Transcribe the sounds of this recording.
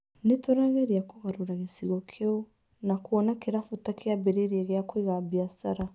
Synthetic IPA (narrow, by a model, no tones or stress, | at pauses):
netoɾaɣeɾiakoɣaɾoɾaɣesiɣɔkʰeɔ | nakuɔnakeɾafutakʰeabeɾeɾiɛɣeakwiɣabiasaɾa